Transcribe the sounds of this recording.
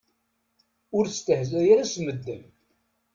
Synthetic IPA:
ʊɾst̪əhzæjaɾæsməd̪ːəm

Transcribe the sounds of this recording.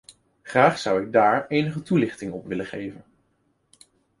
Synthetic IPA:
χraːχsʌwɪɡ̚daːɹejnəχətulɪχtɪŋɔpʋɪləχejvən

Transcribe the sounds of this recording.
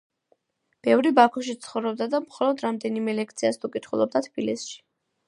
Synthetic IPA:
b̥ɛvɾibakʰuʃ̬it̪sʰχɔvɾɔb̚d̪ad̪amχɔlˠɔd̪ɾamd̪ɛnimɛlɛk̚ʰt̪sʰiast̪ʰukʼit̪ʰχulˠɔb̚d̪at̪ʰb̥ilisʃi̥

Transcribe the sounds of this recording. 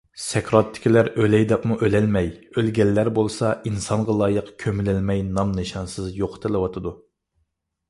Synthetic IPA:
sɛkʰɾɑt̪ʰːɪ̥kʲilæɾølɛjd̪ɛpmuʔølɛlmɛjølɡʲɛlːæɾbolˠsɑʔinsɑŋʁɑlˠɑːjəqkʲʰømɪlɪlmɛjnɑmnɨʃɑnsɨzjoqʰt̪ʰɨlˠɨwɑt̪ʰɨd̪u

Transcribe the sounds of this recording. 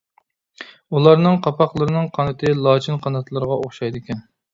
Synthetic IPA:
ulˠɑɾnɨŋqʰɑpɑqlˠəɾɨnɨŋqʰɑnɨt̪ʰɨlˠɑt͡ʃʰinqʰɑnɑt̪ʰlˠɨɾəʁɑʔoχʃɑjd̪ɪkʲɛn

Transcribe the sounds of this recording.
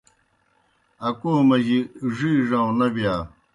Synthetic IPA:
ɐkoːmɐʑiʐiːʐãnɐbjaː

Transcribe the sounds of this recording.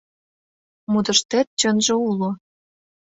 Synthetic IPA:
mud̪ɤ̆ʃt̪et̪̚t͡ɕønʒĕulo

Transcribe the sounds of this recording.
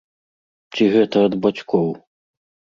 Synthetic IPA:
t͡ɕʲiɣɛt̪ɐɐd̪bat͡ɕʲkʰɔw

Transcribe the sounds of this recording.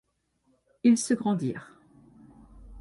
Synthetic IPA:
ilsəɡʁɑ̃d̪ḭːʁ

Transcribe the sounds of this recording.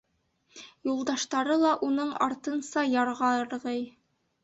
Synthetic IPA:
julˠd̪ɑʃt̪ɑɾɤlˠɑʔunɤɴɑɾt̪ɤ̆nsɑjɑɾʁɑɤ̆ɾʁɤj

